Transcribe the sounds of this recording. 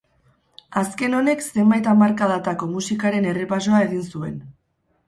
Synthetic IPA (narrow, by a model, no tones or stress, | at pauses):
aske̞no̞ne̞kse̞mbajt̪amaɾkað̞at̪ako̞musikaɾe̞ne̞repaso̞ae̞ɣ̞insue̞n